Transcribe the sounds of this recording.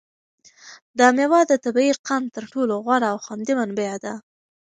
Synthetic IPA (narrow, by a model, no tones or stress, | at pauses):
d̪əmewɑd̪ət̪abiiqʰant̪əɾʈoloɣwaɽaːwxwand̪imanbead̪a